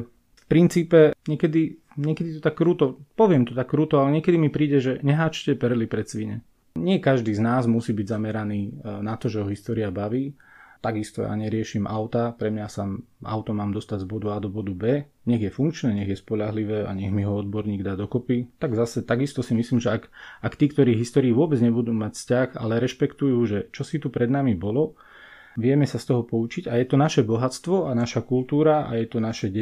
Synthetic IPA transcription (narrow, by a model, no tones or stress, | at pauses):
fpɾint͡siːpɛɲɪɛkɛd̪i | ɲɪɛkɛd̪it̪ɔt̪akːɾuːt̪ɔpɔʋɪɛmt̪ɔt̪akːɾuːt̪ɔalɛɲɪɛkɛd̪imipɾiːɟɛʒɛɲɛɦaːt͡ʃcɛpɛɾlipɾɛt͡sʋiɲɛ̰ | ɲɪɛkaʒd̪iːznaːzmusiːbiɟzamɛɾaniːnat̪ɔʒɛɦɔɦist̪ɔːɾiabaʋiːt̪aɡist̪ɔja̰ːɲɛɾɪɛʃiːmʔaʊt̪apɾɛmɲasaːm | a̰ʊt̪ɔmaːmd̪ɔst̪aɟzbɔd̪uaːd̪ɔbɔd̪ubɛː | ɲɛɣjɛfuŋkt͡ʃnɛːɲɛɣjɛspɔʎaɦliʋɛːʔa̰ɲɛɣmiɦɔɔd̪̚bɔɾɲiːɡd̪aːd̪ɔkɔpit̪aɡzasɛt̪aɡist̪ɔsimisliːmʒɛakakt̪iːkt̪ɔɾiːɦist̪ɔːɾiːʋʊɔbɛd͡zɲɛbud̪uːmacfscaxa̰lɛɾɛʃpɛkt̪ujuːʒɛt͡ʃɔsit̪upɾɛd̪namibɔlɔ | ʋɪɛmɛsast̪ɔɦɔpɔut͡ʃiɟajɛt̪ɔnaʃɛbɔɦat͡st̪ʋɔanaʃakulˠt̪uːɾaa̰jɛt̪ɔnaʃɛɟɛ